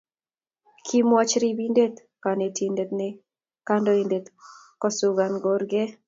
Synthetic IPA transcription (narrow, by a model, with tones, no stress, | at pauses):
kʰi˦mwa˦t͡ʃɾibinde˦t̪ | ka˨ne˨ti˨nde˨t̪nɪ˦ | ka˦ndo˦i˨nde˨t̪ | kɔ˦sʊ˨ɡa˨nɡɔ˦ɾɡɛ˦